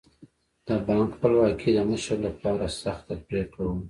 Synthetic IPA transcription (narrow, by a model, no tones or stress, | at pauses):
d̪̥əbɑŋkxpəlwɑkʰid̪əməʃəɾlapɑɾasaxt̪apɾekɽawum